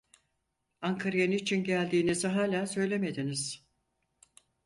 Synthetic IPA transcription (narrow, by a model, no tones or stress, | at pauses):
aŋkʰaɾjanɯit͡ʃʰinɟælʲd̪iːniziɦaːlʲaːsø̞jlʲe̞me̞d̪iniz̥